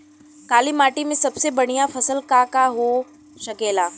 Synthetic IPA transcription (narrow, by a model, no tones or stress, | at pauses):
kaːlimaːʈimẽsɐbsebɐɽ̤̃ijafɐsəlkakaɦo | ʃɐkeːlaː